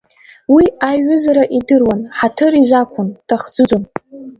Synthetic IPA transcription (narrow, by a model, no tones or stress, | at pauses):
wiaɥʊzaɾaʔidɨrwanħatʰɨriʒʷakʷʰʊntʰaχd͡zɨd͡zon